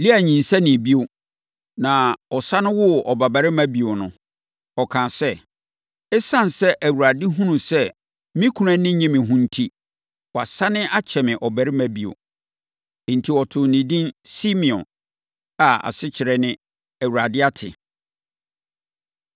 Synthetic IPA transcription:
li˦æ˨ɲĩ˨n˨sa˦nɪ̃˨bi˦o˦ | nã˨ɔ˨sa˦nʊ̃˦wʊ˦ɔ˨ba˨ba˨ɾɪ˦mæ̃˦bi˨o˨nʊ̰̃˨ | ɔ˨kʰãː˨sɛ˦ | ɛ˦sã˦n˨sɛ˦ʔæ˨wu˨ɾa˨dɪ˦ɦũ˦nũ˨sɛ˦ | mĩ˦kʰu˨ɾã˦nɪ̃˦ɲĩ˦mɪ̃˨ɦũ˦n̩˦tʰi˦ | wɔ˨a˨sa˦nɪ̃˦ʔa˦t͡ɕʰɛ˨mɪ̃˨ʔɔ˨bæ˨ɾɪ˦mæ̃˦bi˨o̰˨ | n̩˨tʰi˨ɔ˨tʰʊ˨nĩ˨dĩ˦nsi˦mĩ˨ɔ̰̃˨n | a˨a̰˨sɪ˦t͡ɕʰɪ˨ɾɛ˨nɪ̃˦ | æ˨wu˨ɾa˨dɪ˦a˦tʰɪ̰˨

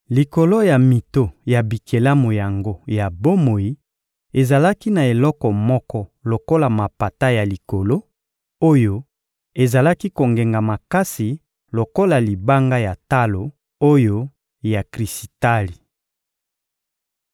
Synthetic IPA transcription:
li˨ko˨lo˦ja˨mi˨to˦ja˨bi˨kʰe˨la˦mo˨ja˨ŋɡo˦ja˨bo˦mo˨ji˦ | e˨za˨la˦ki˦na˨e˨lɔ˦kɔ˨mɔ˦kɔ˦lo˨ko˦la˨ma˨pa˨ta˦ja˨li˨ko˨lo˦ | o˦jo˦ | e˨za˨la˦ki˦ko˨ŋɡe˨ŋɡa˨ma˨ka˦si˨ | lo˨ko˦la˨li˨ba˦ŋɡa˦ja˨ta˦lo˨ | o˦jo˦ | ja˨kʁi˨si̥˨ta˦li˨

